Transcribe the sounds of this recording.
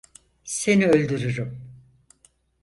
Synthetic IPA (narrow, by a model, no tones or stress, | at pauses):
se̞niølʲd̪yɾyɾym